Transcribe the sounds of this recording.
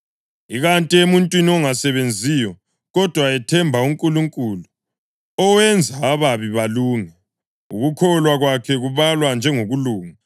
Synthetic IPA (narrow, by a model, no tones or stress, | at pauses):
iɣantʼiemuntʼwiniɔŋasɛβend͡zʱijɔ | ɣɔd̥ʱwaɛtʰɛmbʱauŋkʼuluŋkʼulu | ɔwɛnd͡zʱaːβaβiβaluːŋa | ṵɣukʰɔlwaɣwakʰɛɣuβalwand͡ʒʱɛŋoɣuluːŋa